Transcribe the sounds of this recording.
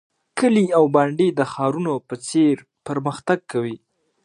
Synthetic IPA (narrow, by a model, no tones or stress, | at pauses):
kəliawbaɳɖed̪əxɑɾunopət͡seɾ | pəɾməxt̪aɡ̚kʰawi